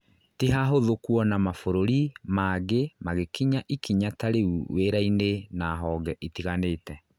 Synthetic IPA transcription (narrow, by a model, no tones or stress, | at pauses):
tiɦaɦoðokwɔnamafoɾoɾimaɡemaɣekiɲaʔikʰiɲataɾeuweɾainenaɦɔɡɛʔitiɣaneːtɛ